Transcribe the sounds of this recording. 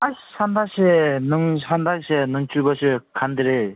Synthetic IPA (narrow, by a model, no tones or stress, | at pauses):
aɕɕand̪aɕenəŋɕand̪aɕenəŋt͡ɕubəɕekʰand̪eɾe